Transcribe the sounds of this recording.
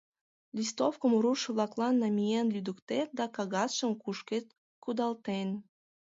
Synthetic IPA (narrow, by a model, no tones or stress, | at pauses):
lʲist̪ofkəmɾuʃəβlɑklˠɑnːɑmʲijenlʲyd̪ukt̪et̪̚d̪ɑkɑɣɑsʃəmkuʃket̪ | kud̪ɑlt̪en